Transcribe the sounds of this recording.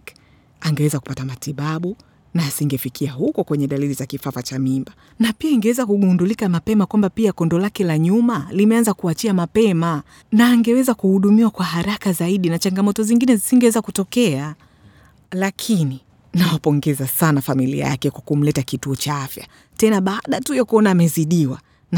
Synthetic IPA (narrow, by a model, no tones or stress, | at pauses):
aŋɡɛwɛzaku̥patamatiɓaɓu | naːsiŋɡɛfikʰiaɦukɔkwɛɲɛɗalilizakifavat͡ʃamimba | napiaiŋɡɛwɛzakuɡundulikamapɛmakwambapiakɔndɔlakɛlaɲumalimɛanzakuat͡ʃiamapɛma | naːŋɡɛwɛzakuhuɗumiwakwaɦaɾakazaiɗinat͡ʃaŋɡamɔtɔziŋɡinɛzisiŋɡɛwɛzakutɔkɛa | lakʰini | nawapɔŋɡɛzasanafamilḭa̰ja̰kɛkwakum̩lɛtakituɔt͡ʃaafja̰ | tɛnaɓaːɗatujɔkuɔnaːmɛziɗiwa̰ | na